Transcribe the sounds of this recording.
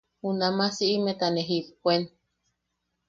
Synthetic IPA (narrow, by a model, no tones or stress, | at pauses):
hunamasiʔimet̪aneɦipkʷen